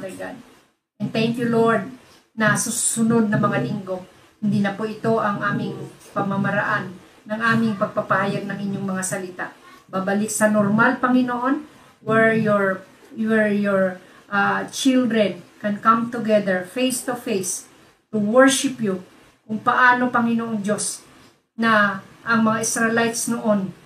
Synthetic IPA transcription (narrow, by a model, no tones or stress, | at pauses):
dɛɡad̪̚ | ʔɛnt̪ɛŋkjuloɹd̪̚ | nɐsusʊno̞d̪̚nɐŋmɐŋalɪŋɡo̞ | hɪnd̪inɐpoʔɪt̪o̞ʔɐŋʔaːmɪŋpɐmamɐɾɐʔanː | ɐŋʔaːmɪŋpɐɡ̚pɐpahajɐɡ̚nɐŋʔɪɲoŋmɐŋasɐlɪt̪a̰ʔ | babɐlɪk̚sɐnoɾmalpɐŋɪnoʔo̞n | wɛɹjoɹ | wɛɹjoɹ | ʔat͡ʃɪld̪ɾɛnkɛnkamt̪ʊɡɛd̪ɛɹfejst̪ufejs | t̪ʊwɛɹʃɪpju | kʊŋpɐʔaːno̞pɐŋɪnoʔoŋd͡ʒo̞s | nɐʔɐŋmɐŋaʔɪsɾɛlajt̪snoʔon